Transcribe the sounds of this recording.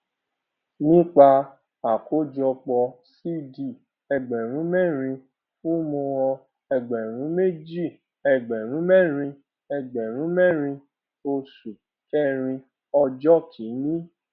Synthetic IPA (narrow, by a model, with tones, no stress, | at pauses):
nĩ˦k͡pa˧ | a˨ko˦d͡ʒɔ˧k͡pɔ˧ | si˦di˦˨ | ɛ˧ɡ͡bɛ˨ɾ̃ũ˨˦mɛ˦˨ɾ̃ĩ˧ | fũ˦mõ˧wɔ̃˧ | ɛ˧ɡ͡bɛ˨ɾ̃ũ˨˦me˦d͡ʒi˦˨ | ɛ˧ɡ͡bɛ˨ɾ̃ũ˨˦mɛ˦˨ɾ̃ĩ˧ | ɛ˧ɡ͡bɛ˨ɾ̃ũ˨˦mɛ˦˨ɾ̃ĩ˧ | o˧su˨ | kɛ˦ɾ̃ĩ˧ | ɔ˧d͡ʒɔ˦kʰi˨˦nĩ˦